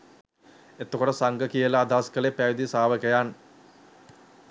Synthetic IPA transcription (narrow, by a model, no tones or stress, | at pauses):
et̪ːokoʈəsaŋɡəkijəlɐːd̪ʱaːskəlepæːjd̪isaːʋəkəjaːn